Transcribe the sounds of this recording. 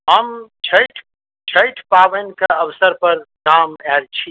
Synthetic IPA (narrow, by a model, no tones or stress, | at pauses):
ɦəmt͡ʃʰəjʈʰ | t͡ʃʰəjʈʰpabənkeəbsəɾpəɾkamɛlt͡ʃʰi